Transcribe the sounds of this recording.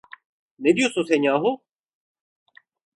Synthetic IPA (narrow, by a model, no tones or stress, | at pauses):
ned̪ijososeɲãːɦoː